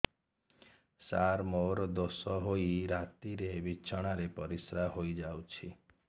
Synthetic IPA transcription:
saɾmoɾɔd̪osɔɦojɾat̪iɾebit͡ʃʰɔɽ̃aɾepɔɾisɾahojd͡ʒawt͡ʃʰi

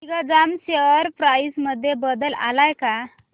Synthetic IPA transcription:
iɡad͡zamɕeəɾpɾajisməd̪ʱːjebəd̪əla̰lajka

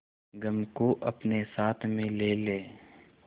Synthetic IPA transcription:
ɡɐmkoʔɐpnesaːt̪ʰmẽleːleː

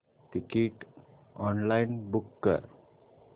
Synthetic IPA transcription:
ʈikeʈ | ɔnlaɪnbukːə̰ɾ

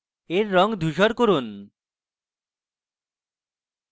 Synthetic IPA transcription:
eɾːɔŋd̪ʱuʃɔɾkoɾun

